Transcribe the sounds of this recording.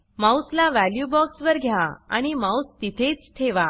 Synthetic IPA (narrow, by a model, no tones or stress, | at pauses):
mawslaʋæljubɔksʋəɾɡʱjaaa̰ɽ̃imawst̪it̪ʰet͡st̪ʰeʋa